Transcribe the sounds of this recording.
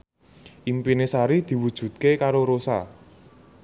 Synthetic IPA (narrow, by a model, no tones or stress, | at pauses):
ʔimpinesaɾid̪̥i̤wud̥ʒ̥ṳt̪̚kekaɾoɾosa